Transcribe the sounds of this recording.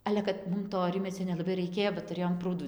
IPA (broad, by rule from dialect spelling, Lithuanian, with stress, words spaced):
ˈɑːlʲɛ kɐt ˈmʊm toː ˈrʲɪmʲiɛt͡sʲoː nʲɛlˠɐˈbɐɪ rɐɪˈkʲeːjoː bɐ tʊˈrʲeːjoːm ˈpruːduː